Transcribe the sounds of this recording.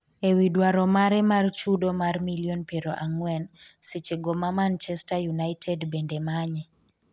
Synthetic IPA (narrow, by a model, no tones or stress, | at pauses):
ewidwaɾɔmaɾɛmart͡ʃudomarmilionpeɾoʔaŋwɛn | sɪt͡ʃeɡomamant͡ʃɛstajunaɪtʰɛdbendemaɲɛ